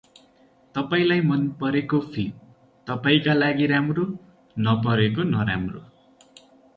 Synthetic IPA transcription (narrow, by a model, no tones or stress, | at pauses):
t̪ʌpaĩlajmʌnpʌɾekopʰim | t̪ʌpaĩkalaɡiɾamro | nʌpʌɾekonʌɾa̰mro̰